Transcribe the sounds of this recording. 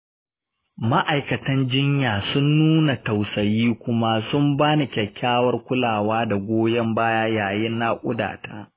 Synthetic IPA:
ma˦ʔa˨jkɐ˨tɐ˦nd͡ʒɪ˦ɲjaː˨sʊ˦nːuː˦na˨ta˨wsɐ˨jiː˦kʷʊ˦ma˦sʊ˦mbaː˦ni˨kʲɐ˨kʲːaː˦wɐ˦rkʷʊ˦laː˨waː˦da˨ɡʷoː˦jɐ˦mbaː˦jaː˦jaː˨jɪ˦nːa˦kʷʼʊ̰˦da̰ː˨ta̰ː˦

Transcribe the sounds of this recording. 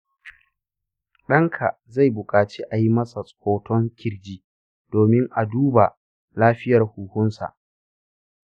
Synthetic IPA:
ɗɐ˦ŋkʰa˨ | za˦˨jbʊ˨kʼaː˨t͡ʃeː˦ʔa˨ji˦mɐ˦sa˨sʼoː˨tʰɔ˦ŋkʲʰɪ˦ɽd͡ʒiː˦ | d̥oː˨mɪ˦ŋʔa˨duː˦ba˨ | laː˦ɸɪ˦jɐ˨rhuː˨hʊ˦nsa̰˨ʔ

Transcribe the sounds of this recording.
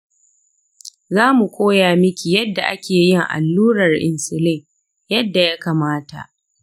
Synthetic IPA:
zaː˦mu˨kʷʰoː˦jaː˨mɪ˦kʲi˨jɐ˦dːa˨ʔa˦kʲeː˨jɪ˦ŋʔa̰˨lːuː˦ɾɐ˨rʔɪ˨nsɪ˨lɪ˦ŋ | jɐ˦dːa˨ja˦kaː˨maː˦ta̰˨ʔ

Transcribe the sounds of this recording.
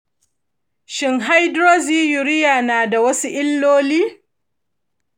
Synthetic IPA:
ʃɪ˨ŋɦa˦jdɾoː˦ziː˦jʊ˨ɾɪ˦jaː˨naː˨da˨wɐ˦su˦ʔɪ˦lːoː˦liː˦

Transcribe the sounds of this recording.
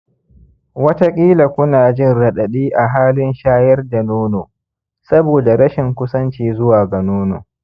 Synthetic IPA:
wɐ˦ta˦kʲʼiː˦la˨kʷʊ˦naː˨d͡ʒɪ˦˨nɽɐ˨ɗɐ˨ɗiː˦ʔa˨ɦaː˦lɪ˦nʃaː˦jɐ˦rda˨noː˦noː˨ | sɐ˦boː˨da˨ɽɐ˦ʃɪ˨ŋkʷʊ˦sɐ˦nt͡ʃiː˨zʊ˦waː˨ɡa˨noː˦no̰ː˨

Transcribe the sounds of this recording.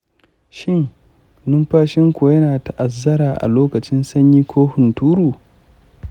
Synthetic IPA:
ʃɪ˦˨ŋ | nʊ˦mɸaː˦ʃɪ˦ŋkʷu˨jɐ˦naː˨ta˦ʔa˨zːɐ˦ɾaː˨ʔa̰˨loː˦kɐ˨t͡ʃɪ˦nsɐ˦ɲjiː˦kʷʰoː˦hʊ˨ntuː˦ɾuː˨

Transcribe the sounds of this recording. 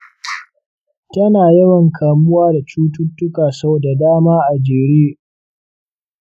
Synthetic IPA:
tɐ˦naː˨jɐ˦wɐ˨ŋkʰaː˨mʊ˦waː˦da˨t͡ʃuː˦tʊ˦tːʊ˦kaː˨sɐ˦boː˨da˨daː˦maː˦ʔa˨d͡ʒeː˨ɽeː˦

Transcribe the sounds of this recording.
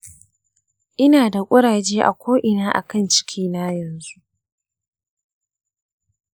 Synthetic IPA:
ʔɪ˦naː˨da˨kʷʼʊ˦ɽaː˨d͡ʒeː˦ʔa̰˨kʷoː˦ʔɪ˨naː˦ʔa̰˨kɐ˦˨nt͡ʃɪ̥˦kʲʰiː˦na˦jɐ˨nzu˦ʔ

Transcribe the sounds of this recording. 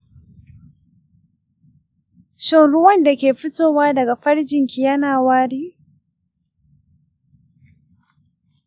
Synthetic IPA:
ʃɔ˦nɽʊ˦wɐ˦nda˨kʲeː˨ɸɪ˦toː˦˨waː˦dɐ˨ɡa˨ɸɐ˦ɽd͡ʒɪ˨ŋkʲʰi˨jɐ˦naː˨waː˦ɽiː˦

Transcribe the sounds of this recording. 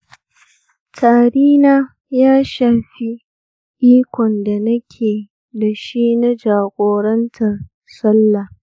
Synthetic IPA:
tʰaː˨ɽiː˦naː˦ | jaː˦ʃaː˨ɸi˦ | ʔiː˦kʷɔ˨nda˨nɐ˦kʲʰeː˨ | da˨ʃi˦na˦d͡ʒaː˨ɡʷʼoː˨ɾɐ˦ntʰɐ˨r | sɐ˦lːa˨

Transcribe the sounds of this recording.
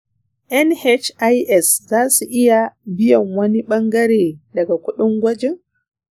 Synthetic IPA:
ʔɛ˦nhɛ˦t͡ʃa˦jʔɛ˨szaː˦su˨ʔɪ˦ja˨bɪ˦jɐ˨ŋwɐ˦ni˦ɓɐ˦ŋɡɐ˦ɾeː˨dɐ˨ɡa˨kʷʊ˦ɗʊ˦ŋɡʷɐ˦d͡ʒɪ˦ŋ

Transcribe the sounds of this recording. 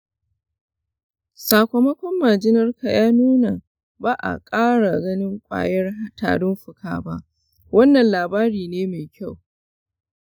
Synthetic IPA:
saː˨kʷo˨mɐ˦kʷɔ˦mːaː˨d͡ʒɪ˦nɐ˦rka˨jaː˦nuː˦na˨ | baː˦ʔa̰˨kʼaː˦ɽa˨ɡɐ˦nɪ˦ŋkʷʼa̰ː˨jɐ˦rha˦ta̰ː˨ɽʊ˦mɸʊ˦kʰa̰ː˨ba˦ʔ | wɐ˦nːɐ˨nlaː˨baː˦ɾiː˨neː˦meː˨kʲʰa˦˨w

